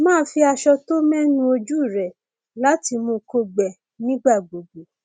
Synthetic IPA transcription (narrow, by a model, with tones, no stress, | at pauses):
mãː˦˨˦fi˧a˧ʃɔ˧to˦mɛ̃˦nũ˧˦o˧d͡ʒu˦˨ɾɛ˨ | la˦ti˧mõ˧ko˧ɡ͡bɛ˨ | nĩ˦ɡ͡ba˦˨ɡ͡bo˨ɡ͡bo˨